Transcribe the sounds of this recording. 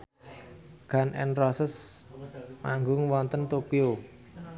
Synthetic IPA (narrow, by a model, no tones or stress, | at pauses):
ɡ̥a̤nʔɛ̰nrɔsəs | maŋɡʊŋwɔnt̪ənt̪opio